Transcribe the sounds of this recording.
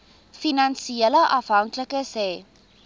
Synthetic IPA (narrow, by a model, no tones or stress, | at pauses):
finɐnsieləʔɐfɦɐŋkləkəsɛː